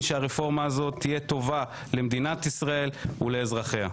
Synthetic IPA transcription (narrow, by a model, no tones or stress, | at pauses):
ʃeaʁefo̞ʁmaːzo̞t̪ʰːijet̪o̞va | le̞md̪inat̪isʁae̞luleːzʁaχeha̰